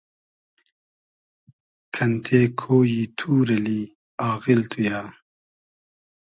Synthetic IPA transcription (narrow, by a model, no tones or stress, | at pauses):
kʰɐnt̪ʰeːkʰoːjiːt̪ʰuːɾɐliː | aːɣilt̪ʰujaː